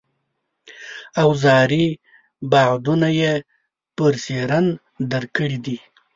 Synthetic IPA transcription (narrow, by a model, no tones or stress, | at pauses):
awzɑɾi | baʕd̪unaje | pəɾseɾan | d̪əɾkəɽid̪i